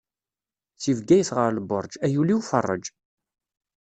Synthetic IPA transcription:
t͡sːivɡæjəsʁəɾləbʊɾˤd͡ʒæjuliufə̰rˤːə̰d͡ʒ

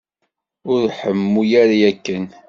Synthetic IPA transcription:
ʊɾħəmːujæɾajækːən

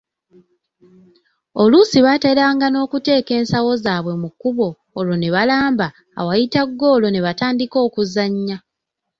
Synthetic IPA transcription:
o̞lusiβaːte̞ɾaːŋɡano̞ːkute̞ːke̞ːnsawo̞zaːβwe̞mukːuβo̞ː | lo̞ne̞βalaːmba̰ː | wajitaɡːo̞ːlo̞ne̞βataːndiko̞ːkuzaɲːa

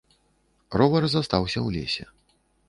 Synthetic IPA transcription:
rɔvɐɾzast̪awsʲɐwlʲḛsʲɛ̰

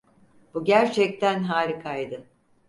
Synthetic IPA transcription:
b̥uɟæɾt͡ʃʰɛc̚t̪ʰænɦaːɾʲikʰajd̪ɯ

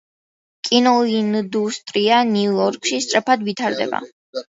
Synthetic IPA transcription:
kʼinɔind̪ust̪ʼɾianiujɔɾkʼʃist̪sʼɾɛpʰad̪vit̪ʰaɾd̪ɛ̰ba̰

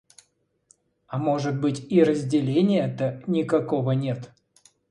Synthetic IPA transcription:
amo̞ʐɨt̪̚bɨtʲirəzʲdʲɪlʲenʲɪjət̪ənʲɪkakovənʲet̪

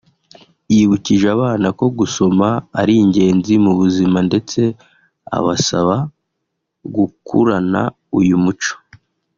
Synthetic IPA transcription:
jiβuciʒaβaːnako̞ɡuso̞maːɾiːɲɟe̞ːnzimuβuzimande̞t͡se̞ | a̰βasaβa | ɡukṵɾana̰ | ujumut͡ʃo̥

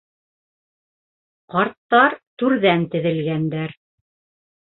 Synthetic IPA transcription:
qɑɾt̪ːɑɾt̪ʉɾðænt̪ɘ̆ðɘ̆lɡænd̪æɾ

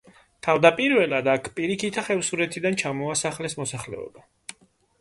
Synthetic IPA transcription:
t̪ʰavd̪apʼiɾvɛlad̪akʰpʼiɾikʰit̪ʰaχɛvsuɾɛt̪ʰid̪ant͡ʃʰamɔasaχlɛsmɔsaχlɛ̰ɔ̰ba

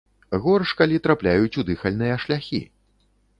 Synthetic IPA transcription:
ɣɔrʂkalʲit̪ɾaplʲajut͡sʲud̪ɨxɐlʲnɨjɐʂlʲaxʲḭ

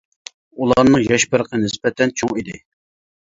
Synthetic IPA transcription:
ulˠɑɾnɨŋjɑʃpəɾəqʰənɪspɛt̪ʰɛnt͡ʃʰoŋid̪ɪ

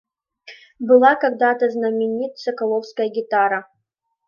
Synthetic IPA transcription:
bɨlˠakɐɡd̪at̪ɐznɐmʲɪnʲit̪sɐkɐlˠowskɐjɐɡʲit̪aɾa

